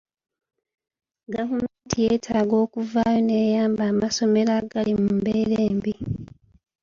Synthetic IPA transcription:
ɡavumeːntʰijeːtʰaːɡo̞ːkuvaːjo̞ne̞ːjaːmbaːmaso̞me̞ɾaɡalimmumbeːɾeːmbi

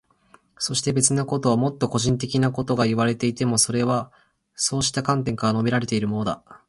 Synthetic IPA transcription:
so̞ɕi̥t̪e̞be̞t͡sɨnako̞t̪o̞βamo̞t̪ːo̞ko̞ʑĩnt̪̬e̞kʲinako̞t̪o̞ɡaiβaɾe̞t̪e̞it̪e̞mo̞so̞ɾe̞βa | so̞ːɕi̥t̪akãnt̪̬ẽ̞ŋkaɾano̞bʲiɾaɾe̞t̪e̞iɾɯ̟mo̞nod̪a̰

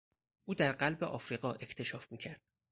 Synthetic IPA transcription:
ʔuːd̪æɾɢælbeʔɒːfɾiːɣɒːʔe̞cʰt̪ʰe̞ʃɒːfmiːcʰæɾd̪̥̚

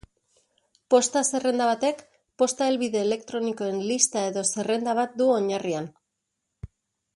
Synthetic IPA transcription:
po̞st̪ase̞re̞nd̪aβ̞at̪e̞k | po̞st̪aelβiðe̞ːle̞kt̪ɾo̞niko̞e̞nlist̪ae̞ðo̞se̞re̞nd̪aβ̞at̪̚d̪uo̞ɲarian

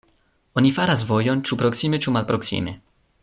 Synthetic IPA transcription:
ɔnʲifaɾazvojɔnt͡ʃupɾɔksimet͡ʃumalpɾɔksḭmɛ̰

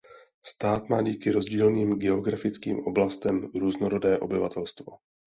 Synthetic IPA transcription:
st̪aːt̪maːɟiːkɪɾo̞zɟiːlniːmɡɛo̞ɡɾafɪt͡skḭːmʔo̞blast̪ɛmɾuːznoɾodɛːʔo̞̰bɪva̰t̪ɛlst̪vo̞̰

